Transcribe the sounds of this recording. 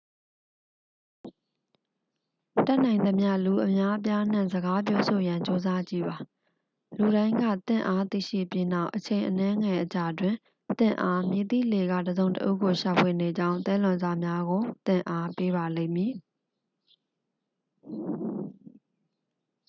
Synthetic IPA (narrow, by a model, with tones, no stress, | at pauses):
ta˦ʔn̥ã˨ɪ̃nd̪ə˨mja̰˦˨lu˨ʔəmja˦ʔəp̬ja˦n̥ã˦˨zəɡa˦p̬jɔ˦so˨jã˨ɲt͡ɕo˦za˦d͡ʑḭ˦˨ba˨ | lu˨ɾã˦ɪ̃ŋɡä̰˦˨t̪ɪ̰̃˦˨ʔa˦t̪ḭ˦˨ʃḭ˦˨pji˦na˦˨ʊʔət͡ɕʰẽ˨ɪ̃ʔənɛ̃˦ŋɛ˨ʔət͡ɕa˨dwɪ̃˨ | t̪ɪ̰̃˦˨ʔa˦mjɪ˨t̪ḭ˦˨le˨ɡa̰˦˨dəzõ˨ʊ̃təʔṵ˦˨ɡo˨ʃa˨pʰwe˨ne˨d͡ʑã˦ʊ̃nt̪ɛ˦lʊ̃˨nza˨mja˦ɡo˨t̪ɪ̰̃˦˨ʔa˦pe˦βa˨lḛ̃˦˨mji˨